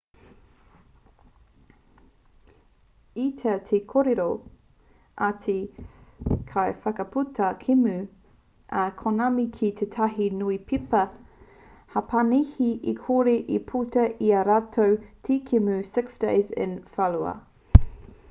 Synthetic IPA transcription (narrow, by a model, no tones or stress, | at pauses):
it̪ʰetʰekʰoɾiɾo | ʔatʰi | kʰajfɐkɐpʰutʰɐkʰimʉ | ʔɐkʰonamikʰitʰetʰɐɦinuipʰipɐ | hɐpʰɐnihiʔikʰoɾiʔipʰutɐʔiɐɾatʰowtʰikʰimʉsɪksd̥ḛɪzɪ̰nfɐluɐ̰